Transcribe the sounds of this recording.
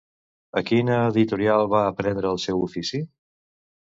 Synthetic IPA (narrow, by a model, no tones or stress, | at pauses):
əkinəːðit̪uɾialˠβaəpɾɛnd̪ɾəːlˠsɛwufisi